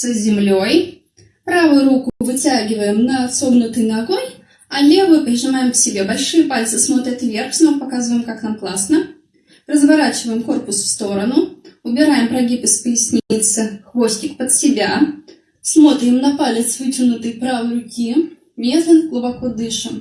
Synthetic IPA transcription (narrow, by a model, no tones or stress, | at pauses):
səzʲɪmlʲo̞j | pɾavʊjʊɾukʊvɨtʲaɡʲɪvəjɪmnɐso̞vnʊt̪ɨjnɐːɡo̞nʲ | ɐlʲe̞vɨjʊpɾʲɪʐɨmajɪmsʲɪbʲe̞bɐlʲʂɨjəpalʲt̪sɨsmo̞t̪ɾʲət̪vʲe̞rxsnəpɐkazɨvəjɪmkaknamklˠasnə | rəzvɐɾat͡ɕɪvəjɪmko̞rpʊsfst̪o̞ɾənʊʊbʲɪɾajɪmpɾɐɡʲipɨspəjɪsʲnʲeɪt̪səxvo̞sʲtʲɪk̚pət̪sʲɪbʲa | smo̞t̪ɾʲɪmnɐpalʲɪt̪svɨtʲɪnʊt̪ɨjpɾavɨjrʊkʲi | mʲezlʲənɡlˠʊbɐkod̪ɨʂɨm